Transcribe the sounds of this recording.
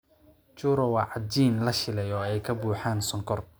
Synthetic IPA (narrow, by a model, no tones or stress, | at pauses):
t͡ʃuːɾɔwɑːʕɑd͡ʒiːnlɐʃɪlɛjɔːɛjkʰɐbuːħaːnsɔŋkʰɔr